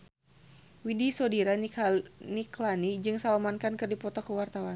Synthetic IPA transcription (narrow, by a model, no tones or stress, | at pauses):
widisɔdiɾa | niklanid͡ʒɨŋsalamankankɨrdipɔt̪ɔkuwart̪awan